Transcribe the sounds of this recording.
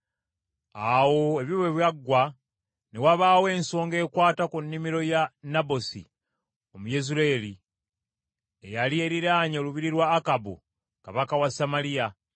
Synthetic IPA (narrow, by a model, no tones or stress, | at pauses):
awo̞eβiweβjaɡːwa | ne̞waβaːwe̞ːnso̞ːŋɡe̞ːkwaːtakunːimiɾo̞janabo̞sḭ | o̞muje̞zuɾeli | ejalie̞ɾiɾaːɲooluβiɾiɾwaːkabṵ | kaβakawasamalija